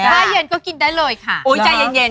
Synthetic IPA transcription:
aː˥˩je˧nkɔː˥˩ki˧ndaː˥˩jlɤː˧jkʰa˥˩ʔuː˨˦t͡ɕa˧jːe˧nje˧n

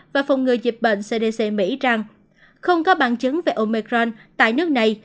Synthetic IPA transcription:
vaː˨˩fɔ˨˩wŋ͡mŋɨ˨˩əjzi˨˩p̚ɓḛ˧˨n̟se˧ɗe˧se˧mḭ˧˥za˨˩ŋ | xə˧wŋ͡mkɔ˨˦ɓaː˧˨nt͡ɕɨ˨˦ŋve˨˩ʔo˧mi˧kɾɔ˧nt̪a̰ː˧˨jnɨ˦˥ək̚na˨˩j

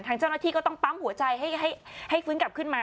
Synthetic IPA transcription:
nt̪ʰaː˧ŋt͡ɕaː˥˩wnaː˥˩iː˥˩kɔː˥˩t̪ɔ˥˩ŋpa˦˥mhu˩˦ɐt͡ɕa˧jɦa˥˩jɦa˥˩jha˥˩jfɯː˦˥nka˨˩p̚kʰɯ˥˩nmaː˧

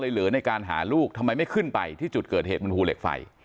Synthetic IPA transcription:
lɤː˧jlɯː˩˦na˧jkaː˧nɦa̰ː˩˦luː˥˩k̚t̪ʰa˧mːa˧jma˥˩jkʰɯ˥˩npa˧jt̪ʰiː˥˩t͡ɕu˨˩t̪̚kɤː˨˩t̪̚eː˨˩t̪̚ba˧npʰuː˧lḛ˨˩k̚fa̰˨˩j

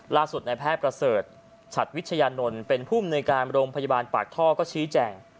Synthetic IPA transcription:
laː˥˩su˨˩t̪̚na˧jpʰɛː˥˩t̪̚pɾa˧sɤː˨˩t̪̚ | t͡ɕʰa˨˩t̪̚wi˦˥t̪̚t͡ɕʰa˧jaː˧no˧npe˧npʰuː˥˩amnuː˧jkaː˧nɾoː˧mpʰa˧ja˧baː˧npa̰ː˨˩k̚t̪ʰɔː˥˩kɔː˥˩t͡ɕʰiː˦˥t͡ɕɛː˧ŋ

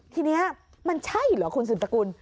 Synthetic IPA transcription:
t̪ʰiː˧ni˦˥ɐ | ma˧nt͡ɕʰa˥˩ji˨˩lɔː˨˩˦kʰu˧ns̬ɯː˨˩pa˧ku˧n

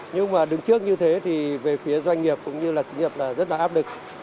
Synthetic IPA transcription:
ɲɨ˧ŋmaː˨˩ɗɨ˨˦ŋt͡ɕɨ˦˥ək̚ɲɨ˧t̪ʰe˨˦t̪ʰi˨˩ve˨˩fi˨˦əzwa˧jŋ̟ŋi˨˩əp̚kʊ̰˧˥ŋ͡mɲɨ˧laː˨˩kï˨˦ŋɲə˨˩p̚laː˨˩zə˦˥t̚laː˨˩ʔaː˦˥p̚lɨ˨˩k̚

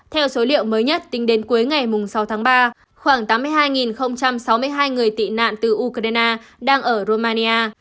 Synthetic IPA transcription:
t̪ʰɛ˧wso˨˦lḭ˧˨əwməː˨˦jɲə˦˥t̚t̪ï˨˦ŋ̟ɗe˨˦nku˨˦əjŋa˨˩jmʊ˨˩ŋ͡msa˨˦wt̪ʰaː˨˦ŋɓaː˧ | xwaː˧˩ŋt̪aː˨˦mːɨ˧əjɦaː˧jŋi˨˩nxə˧wŋ͡mt͡ɕa˧msa˨˦wmɨ˧əjɦaː˧jŋɨ˨˩əjt̪ḭ˧˨na̰ː˧˨nt̪ɨ˨˩ʔu˧kɾa˧jnaː˧ɗaː˧ŋʔəː˧˩ɾo˧maː˧ni˧aː˧

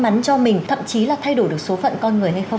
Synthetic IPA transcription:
ma˨˦nt͡ɕɔ˧mï˨˩ŋ̟t̪ʰə̰˧˨mt͡ɕi˨˦laː˨˩t̪ʰa˧jɗo˧˩jɗɨ˨˩ək̚so˨˦fə̰˧˨nkɔ˧nŋɨ˨˩əjɦa˧jxə˧w

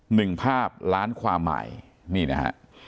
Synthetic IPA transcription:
nɯ˨˩ŋpʰaː˥˩p̚ɾaː˦˥nkʰwaː˧mːa̰˨˩j | niː˥˩na̰˦˥ha̰˦˥ʔ

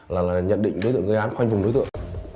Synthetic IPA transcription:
laː˨˩laː˨˩ɲə̰˧˨nɗḭ̈˧ŋ̟ɗo˨˦jt̪ə˨ŋʔə˧jʔaː˨˦nxwa˧jŋ̟vʊ˨˩ŋ͡mɗo˨˦t̪əŋ

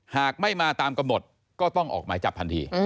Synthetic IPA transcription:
haː˨˩k̚ma˥˩jmaː˧t̪aː˧mka˧mno˨˩t̪̚ | kɔː˥˩t̪ɔ˥˩ŋʔɔ̰ː˨˩k̚maː˩˦jt͡ɕa˨˩p̚ʰa˧nt̪ʰḭː˧

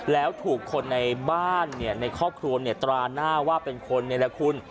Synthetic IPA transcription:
lɛː˦˥wt̪ʰuː˨˩kʰːo˧nːa˧jbaː˥˩nːi˥˩ɐna˧jkʰɔː˥˩p̚kʰɾu˧ɐni˥˩ɐt̪ɾaː˧naː˥˩waː˥˩pe˧nkʰo˧nːi˥˩ɐlɛ˦˥kʰu˧n

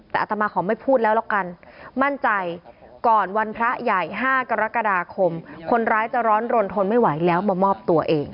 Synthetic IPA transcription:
t̪ɛː˨˩ʔa˧˩t̪ʰa˧maː˧kʰɔː˩˦ma˥˩jpʰuː˥˩t̪̚lɛː˦˥wla˧˩ka˧nma˥˩nt͡ɕa˧jkɔː˨˩nwa˧npʰɾa˦˥ja˨˩jɦaː˥˩ka˧ɾa˦˥ka˧daː˧kʰo˧mkʰo˧nɾaː˦˥jt͡ɕa˨˩ɾɔː˦˥nɾo˧nt̪ʰo˧nma˥˩jwa˩˦jlɛː˦˥wmaː˧mɔː˥˩p̚t̪u˧ɐʔeː˧ŋ

